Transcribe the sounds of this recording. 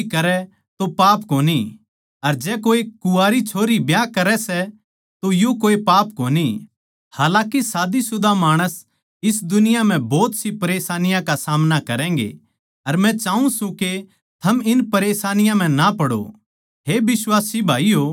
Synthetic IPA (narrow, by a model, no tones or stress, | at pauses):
kɐɾɛ | t̪opaːpkoːni | ɐɾd͡ʒɛːkoːikʊaːɾit͡ʃʰoːɾibjaːkɐɾɛsɛ | t̪ojokoːipaːpkoːni | haːlãːkisaːd̪isʊd̪ʱamaːɽ̃əs | ɪs̬d̪ʊnɪjam̤ɛ̃bɔːt̪sipɐɾeːsaːnɪjãkasaːmnakɐɾɛ̃ːŋɡḛ | ɐɾmɛ̃t͡ʃaːũsũke | t̪ʰɐmɪnpɐɾeːsaːnɪjãm̤ɛ̃napɐɽo̰ | ɦebɪswaːsibʱaːio